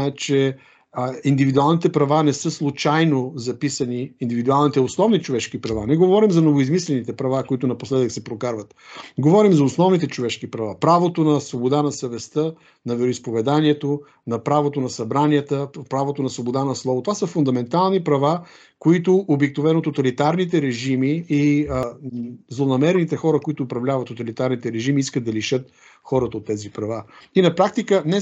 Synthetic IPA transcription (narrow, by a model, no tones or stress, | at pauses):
ɛt͡ʃɛ | ind̪ivid̪ualˠnit̪ɛpɾɐvanɛsɤslˠut͡ʃajnozɐpisɐniːnd̪ivid̪ualˠnit̪ɛʊsnɔvnit͡ʃovɛʃkipɾɐvanɛɡovɔɾimzɐnovoizmislɛnit̪ɛpɾɐvakoit̪ʊnɐposlɛd̪əksɛpɾokaɾvət̪ɡovɔɾimzɐosnɔvnit̪ɛt͡ʃovɛʃkipɾɐvapɾavot̪onɐsvobod̪anɐsɐvɛst̪ə | nɐvɛɾoispovɛd̪aniɛt̪o | nɐpɾavot̪onɐsɐbɾanijət̪əpɾavot̪onɐsvobod̪anɐslˠɔvot̪ovasəfʊnd̪ɐmɛnt̪alˠnipɾɐva | koit̪ʊʔobiknʊvɛnot̪ot̪ɐlit̪aɾnit̪ɛɾɛʒimii | zlˠonɐmɛɾɛnit̪ɛxɔɾəkoit̪ʊːpɾɐvlʲavət̪ːot̪ɐlit̪aɾnit̪ɛɾɛʒimiiskəd̪d̪ɐliʃɤt̪̚ | xɔɾət̪əot̪ːɛzipɾɐvainɐpɾak̚t̪ikənɛ